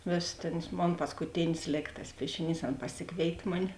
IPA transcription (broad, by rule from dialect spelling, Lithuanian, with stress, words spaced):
ˈʋʲeːsʲɪ ˈtʲæːnɐs ˈmoːn pɐskʊˈtʲɪnʲɪs ˈlʲeːk tɐs ˈpʲiɛʃʲɪˌnʲiːs ˈɐn pɐˈsʲɪkʋʲeːɪtʲeː ˈmʊnʲɪ